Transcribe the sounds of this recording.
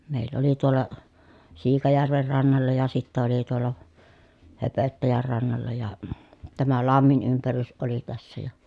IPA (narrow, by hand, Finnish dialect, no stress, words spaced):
meˑilː oli tuolˑɑ siːkɑjærʋer rɑnːɑlːɑ jɑ sitːæ oli tuolˑɑ høpøtːæjær rɑnːɑlːɑ jɑ tæmæ lɑmːin ympærys oli tæsːæ jɑ